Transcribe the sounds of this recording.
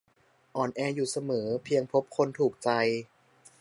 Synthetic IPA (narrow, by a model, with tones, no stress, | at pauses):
ʔɔː˨˩nʔɛː˧juː˨˩sa˧mɤː˩˦pʰi˧əŋpʰo˦˥p̚kʰo˧nt̪ʰuː˨˩k̚t͡ɕa˧j